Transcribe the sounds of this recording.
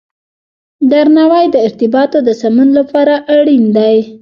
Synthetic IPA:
d̪aɾnawajd̪əɪɾt̪ɪbɑt̪od̪əsamənlapɑɾaʔaɽind̪aj

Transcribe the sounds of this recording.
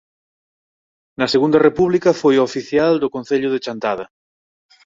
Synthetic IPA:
nɐseɣũnd̪ɐrepuβlikɐfojofiθjald̪okõn̟θeʎʊðet͡ʃant̪aðɐ

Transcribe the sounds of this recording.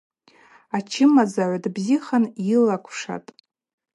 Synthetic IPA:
at͡ʃʰɪmazaʕʷadbziχanjɪlakʷʰʂa̰tʼ

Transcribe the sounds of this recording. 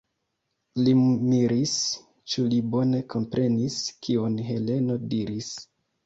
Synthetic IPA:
limiɾis | t͡ʃulibo̞ne̞kʰo̞mpɾʔe̞niskʰionɦe̞le̞no̞diɾis

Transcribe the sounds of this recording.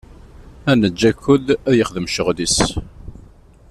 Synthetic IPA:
ænəd͡ʒːækːʊlæðjəχðəmʃəʁðis

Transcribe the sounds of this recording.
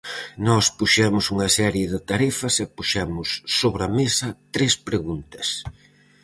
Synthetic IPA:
nɔspuʃɛmʊsuŋɐsɛɾjɪðɪt̪aɾɛfɐsɛpuʃɛmʊsːoβɾɐmesɐt̪ɾespɾeɣunt̪ɐs

